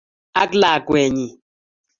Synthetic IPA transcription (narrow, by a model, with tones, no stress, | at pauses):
a˦kla˨kwɛ˨ɲi˨